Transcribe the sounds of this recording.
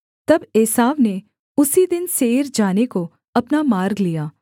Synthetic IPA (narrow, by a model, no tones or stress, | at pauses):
t̪ɐbeːsaːʋne | ʊsid̪ɪnseːɾd͡ʒaːneko | ɐpnamaːɾɡlijaː